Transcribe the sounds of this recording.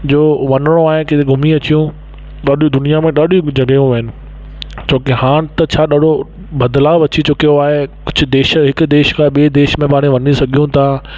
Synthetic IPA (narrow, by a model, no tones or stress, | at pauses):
d͡ʑoːʋɐnəɽ̃õaːɦɪket̪eɡʱʊmiɐt͡ɕijũ | ɗaːɗiũd̪ʊnijamẽɗaːɗiũd͡ʑɐɡəjũʋɐɦɪnɪ̆ | t͡ɕʰoːkehaːɽ̃t̪ɐt͡ɕʰaːɗaːɗo | bɐd̪laːʋɐt͡ɕit͡ɕoːkeɦoaːɦekʊd͡ʑʰʱʊ̆d̪eːʃɦɪkʊ̆d̪eːʃkaɓied̪eːʃmẽbaːɽ̃ĩʋɐnisɐɡʱijũt̪ʰa